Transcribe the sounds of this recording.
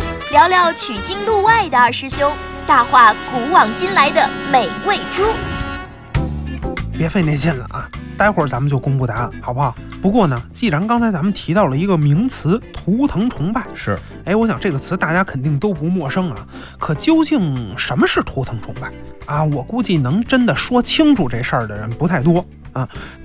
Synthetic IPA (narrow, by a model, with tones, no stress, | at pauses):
ljɑ˧˥ʊljɑ˧˥ʊt͡ɕʰy˨˩t͡ɕi˥ŋlu˥˧wa˥˩ɪd̪ə˩ə˞˥˧˩ʂɻ̩˥ɕjo˥ʊ | t̪a˥˧xwa˥˩ku˧˥wɑ˨˩ŋt͡ɕi˥nla˧˥ɪd̪ə˧me˨˩ɪwe˥˩ɪʈ͡ʂu˥ | pjɛ˧˥fe˥˧ɪne˥˧ɪt͡ɕjɛ˥˩nlə̰˩ʔɐ˩t̪a˥ɪxwɔ˞˨˩t͡sa˧˥mə˨nt͡ɕjo˥˧ʊkʊ˥ŋpu˥˩t̪a˧˥lxɑ˨˩ʊbɑ˥˩ | pu˧˥kwɔ˥˩nə˩t͡ɕi˥˩ɻa˧˥nkɑ˥ŋt͡sʰa˧˥ɪt͡sa˧˥mə˨nt̪ʰi˧˥t̪ɑ˥˩ʊlə˩i˧˥ɡə˧mi˧˥ŋt͡sʰɹ̩˧˥t̪ʰu˧˥t̪ʰɤ˧˥ŋʈ͡ʂʰʊ˧˥ŋpa˥˩ɪʂɻ̩˥˩ | e˧˥ɪwɔ˧˥ɕjɑ˨˩ŋʈ͡ʂɤ˥˩ɡə˩t͡sʰɹ̩˧˥t̪a˥˩t͡ɕja˥kʰə˨˩nt̪i˥˩˧ŋt̪o˥ʊpu˧˥mwɔ˥˩ʂɤ˥ŋɐ̰˨˩ | kʰɤ˨˩t͡ɕjo˥ʊt͡ɕi˥˩ŋʂə˧˥nmə˧ʂɻ̩˥˩t̪ʰu˧˥t̪ʰɤ˧˥ŋʈ͡ʂʰʊ̰˧˥ŋpa˥˩ɪɐ˥˧wɔ˨˩ku˥˧t͡ɕi˥˩nɤ˧˥ŋʈ͡ʂə˥nd̪ə˨ʂwɔ˥t͡ɕʰi˥ŋʈ͡ʂʰu˨˩ʈ͡ʂe˥˩ʂə˞˥˩d̪ə˩ɻə˧˥npu˧˥a˥˩ɪt̪̬wɔ˥ | a˧˩